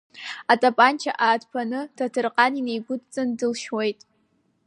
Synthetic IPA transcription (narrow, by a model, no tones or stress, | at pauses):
atʼapʼant͡ʃʰa̰ʔaːdpʰanɨtʰatʰɨrqʼaninejɡʷʊtʼt͡sʼɨndɨlʃwe̞jtʼ